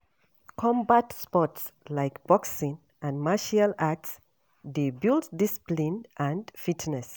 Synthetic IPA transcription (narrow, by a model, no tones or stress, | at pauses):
kʰɔ̃mbatspɔtslaɪkb̥ɔksĩn | ʔãnmaʃialats | debilddisi̥plĩnʔãndfitnɛs